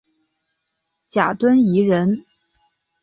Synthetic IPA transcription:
t͡ɕja˨˩t̪wə˥ni˧˥ɻə˧˥n

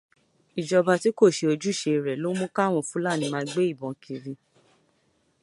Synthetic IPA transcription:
i˨d͡ʒɔ˧ba˧ti˨˦ko˦˨ʃe˧o˧d͡ʒu˦˨ʃe˧˨ɾɛ˨lo˦mũ˦ka˦˨w̃ɔ̃˦˨fũ˦la˦˨nĩ˧mãː˧ɡ͡be˦i˦˨bɔ̃˨kʰi˧ɾĩ˧

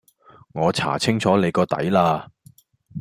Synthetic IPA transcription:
ŋɔː˨˧t͡sʰa̰ː˨˩t͡sʰɪ˥ŋt͡sʰɔː˨˥le˨˧jkɔː˧t̪ɐ̰˨˥jlaː˧

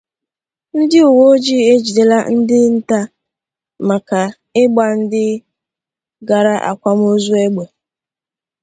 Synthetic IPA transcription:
n̩˦dɪ˦u˨wo˦d͡ʒi˦e˦d͡ʒi˨de˨la˦n̩˦dɪ˦n̩˦ta˦ | ma˨ka˨ | ɪ˦ɡ͡ba˨n̩˦dɪ˦ | ɡa˨ɾa˦ʔa̰˨kʷa˦m˦o˦zu˦e˦ɡ͡be˨

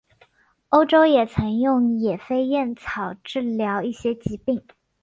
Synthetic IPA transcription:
o˥ʊʈ͡ʂo˥ʊjɛ˨˩t͡sʰə˧˥ŋjʊ˥˩ŋjɛ˨˩fe˥ɪjɛ˥˩nt͡sʰɑ˨˩ʊʈ͡ʂɻ̩˥˩ljɑ˧˥ʊi˥˩ɕjɛ˥t͡ɕi˧˥pi˥˩ŋ

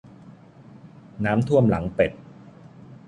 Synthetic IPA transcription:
naː˦˥mt̪ʰu˥˩əmla˩˦ŋpe˨˩t̪̚

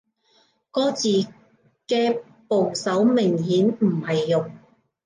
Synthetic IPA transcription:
kɔː˥t͡siː˨˩ | kɛː˧ | po˨˩wsɐ˨˥wmɪ˨˩ŋhiː˨˥nm̩˨˩hɐ˨jːʊ˨ŋ

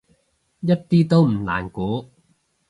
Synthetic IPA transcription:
jɐ˥t̚t̪iː˥t̪o˥wm̩˨˩la̰ː˨˩nkuː˨˥

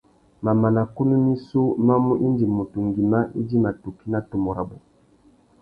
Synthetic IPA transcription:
ma˨ma˨na˨ku˦nu˦ni˦su˦ma˦mu˦ʔi˦ndi˨mo˨tu˨ŋɡi˨ma˦ʔi˦di˦ma˨tu˨ki˦na˨to˨mɔ˨ɾa˨bɔ˨

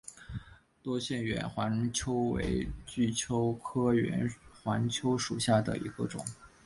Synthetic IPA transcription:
t̪wɔ˥ɕjɛ˥˩nɥɛ̰˧˥nxwa˧˥nt͡ɕʰjo˥ʊwḛ˧˥ɪt͡ɕy˥˩t͡ɕʰjo˥ʊkʰɤ˥ɥɛ̰˧˥nxwa˧˥nt͡ɕʰjo˥ʊʂu˨˩ɕja˥˩d̪ə̰˩ḭ˧˥ɡə˧ʈ͡ʂʊ̰˨˩˦ŋ

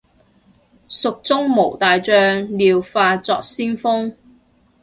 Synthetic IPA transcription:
sʊ˨k̚t͡sʊ˥ŋmo˨˩wt̪aː˨jt͡ʃœː˧ŋliː˨˧wfaː˧t͡sɔː˨k̚siː˥nfʊ˥ŋ

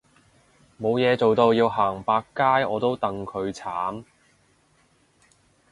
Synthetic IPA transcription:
mo˨˧wjɛː˨˧t͡so˨wt̪o˧wjiː˧wɦaː˨˩ŋpaː˧kːaː˥jɔː˨˧t̪o˥wt̪ɐ˨ŋkʰɵ˨˧ɥt͡sʰaː˨˥m

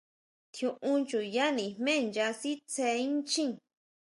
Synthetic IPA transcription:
t̪jũ˧ʔũ˧nt͡ʃu˨ja˦nĩ̥˨mẽ˦˨˧nd͡ʒa˧si˦t͡se˧ĩ˦nt͡ʃĩ˦

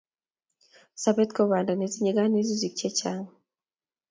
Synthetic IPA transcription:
sa˨be˦t̪ko˦βa˨nda˨ne˨zi˦ɲi˦ɡa˦ni˦zi˦zi˨kt͡ʃe˦t͡ʃa˦ŋa

